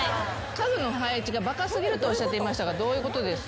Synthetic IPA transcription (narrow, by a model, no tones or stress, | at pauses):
kazɨno̞ɦait͡ɕiɡabakasɨɡʲiɾɯ̟t̪o̞ːɕat̪ːe̞imaɕi̥t̪aɡad̪o̞ːjɯ̟ko̞t̪o̞d̪e̞sɨ̥